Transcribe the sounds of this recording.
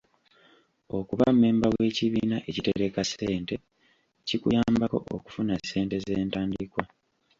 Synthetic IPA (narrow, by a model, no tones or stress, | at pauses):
o̞kuβamme̞ːmbawe̞ːciβiːnaʔe̞cite̞ɾe̞kase̞ːnte̞ | cikṵjaːmbako̞̰ʔo̰ku̥funasːe̞ːnte̞zeːntaːndikwa